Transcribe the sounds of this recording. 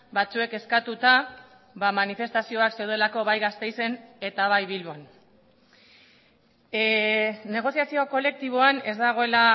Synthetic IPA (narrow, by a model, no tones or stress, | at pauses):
bat͡sue̞ke̞skat̪ut̪a | βamanife̞st̪asio̞akse̞wðe̞lako̞βajɣast̪e̞jse̞ne̞t̪aβajβilβon | ne̞ɣ̞o̞siasio̞ko̞le̞k̚t̪iβ̞o̞ane̞zd̪aɣ̞o̞e̞la